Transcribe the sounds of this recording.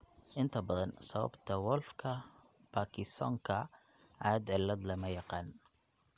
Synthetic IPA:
ʔɪnt̪abɑd̪ˤɑnsˤɑwɑ̰bt̪awolfkʰa | b̥akiso̰ŋka | ʕad̪ʕɪlːad̪ˤlamajaqɑn

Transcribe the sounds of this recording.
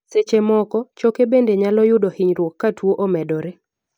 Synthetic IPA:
set͡ʃemɔkɔt͡ʃokebendeɲalɔjʊdɔhɪɲɾwokːatwoʔomɛdɔɾe

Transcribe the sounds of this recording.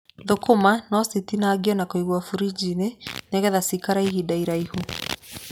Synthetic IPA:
ðokomanɔsitinaːɡiɔnakoiɣwafuɾid͡ʒineneɣɛðasikaɾaiɦidaiɾaihu

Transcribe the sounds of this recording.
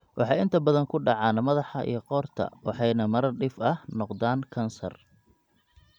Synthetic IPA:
wʔɑħɑːjɪnt̪ʰɐbɐðɐŋkʰʊɖɑʕɑːnmɐðɑħɑʔḭjɞqɔːrt̪ʰɐ̰wɑħɑjnɐmɐɾɐrɖɪfɐhnɔqd̪aːnkʰɐnsɐ̰r

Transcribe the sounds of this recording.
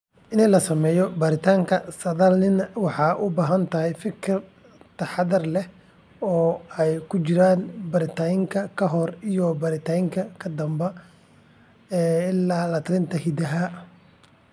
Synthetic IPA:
ʔɪnɪlɐsɐmɛːjɔbɐɾɪt̪ʰaːŋkʰɐsɐðɐlnɪnɐwɑħɑːʔʊbaːɦɐnt̪ʰɐɦɛjfɪkʰɪr | t̪ʰɐħɑðɐrlɛh | ɔːɛjkʰʊt͡ʃɪɾaːnbɐɾɪt̪ʰaːjɪŋkʰɐkʰɐɦɔrijɔbɐɾɪt̪ʰaːɪŋkʰɐkʰɐd̪ɐmbɐ | ɛːɪlːaːlɐt̪ʰɾɪnt̪ʰɐhid̪ɐɦɐ

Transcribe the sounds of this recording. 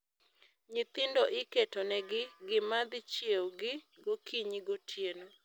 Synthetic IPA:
ɲɪt̪ɪndoʔɪketonɛɡɪɡɪmad̪ɪt͡ʃjewɡɪɡokʰiɲiɡotʰjeno

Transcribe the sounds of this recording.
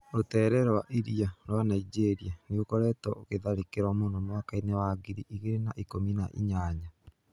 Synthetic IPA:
ɾotɛːɾɛɾwa̰ʔiɾiaɾwanaid͡ʒeɾianiɣokɔɾɛtɔoɣeðaɾekeɾwamoːndomwakainewaɡiɾiʔːɣeɾenaʔikominaʔḭɲaːɲa

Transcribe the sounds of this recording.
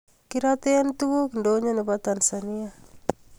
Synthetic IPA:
kiɾat̪eant̪ubukndoɲanebat̪ansania

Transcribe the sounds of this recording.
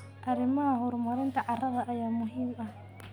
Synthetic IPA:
ʔaɾɪmahʊɾmaɾɛnt̪aʕaraðaʔːjaːmʊɦima

